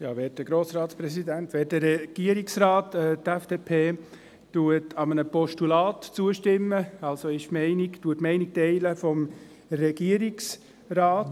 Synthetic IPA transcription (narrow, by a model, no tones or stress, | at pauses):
jɑːʋɛːt̚d̥əɡ̥ɾoːsɾɑːtsprɛsidæntʋɛːt̚dəɾɛɡ̥iəɾiksrɑːtʰɛtɛfd̥eːpʰeː | tuətʰɑmənəpɔʃtulɑːtt͡suəʃtɪmːəɑlsoɪʃmɛɪniktuətmɛɪnik̚tɛɪləfɔm | rɛɡ̥iəɾiks | rɑːt